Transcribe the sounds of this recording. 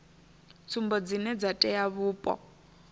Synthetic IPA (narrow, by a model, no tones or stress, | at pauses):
t͡sʰumbɔd͡zinɛd͡zatʼɛjaβuːpʼɔ̰